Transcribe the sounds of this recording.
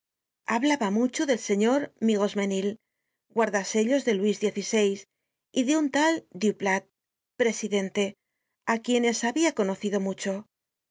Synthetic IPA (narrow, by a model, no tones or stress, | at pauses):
aβlaβamut͡ʃo̞ðe̞lse̞ɲo̞ɾmiɣo̞zmenil | ɡwaɾðase̞ʎo̞zðe̞lwizðje̞θise̞js | iðeunt̪ald̪juplat̪̚ | pɾe̞siðe̞nt̪e̞ | akje̞ne̞saβiako̞no̞θiðo̞mut͡ʃo̞